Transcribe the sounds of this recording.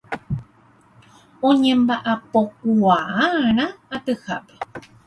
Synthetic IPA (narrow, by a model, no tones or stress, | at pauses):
uɲẽmbaʔapok̚uaaɳaat̪ɨxa̰pe̥